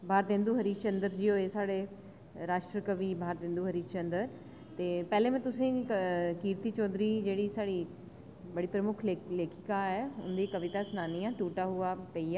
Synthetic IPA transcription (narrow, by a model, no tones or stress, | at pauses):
bʱaːɾd̪ẽːnd̪uɦɐɾiːt͡ɕɐ̃nd̪əɾd͡ʑijoɦesaːɽe | ɾaːʃʈɾəkəʋibʱaːɾd̪ẽːn̆d̪uɦɐɾiːt͡ɕɐ̃nd̪əɾ | t̪eːpɛɦlẽmẽt̪ʊsẽkiːɾt̪it͡ɕɔːd̪ɾid͡ʑeːɽisaːɽi | bɐɽipɾəmʊkʰeleːkʰɪkaɦeʊ̰̃n̆d̪ikɐʋɪt̪asnaːniãʈuːʈaɦuapɐia